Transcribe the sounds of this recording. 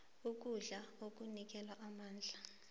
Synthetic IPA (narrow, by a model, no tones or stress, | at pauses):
uk̬ʼuɮaok̬ʼunik̬ʼɛlwaʔamaːnd͡ɮʱa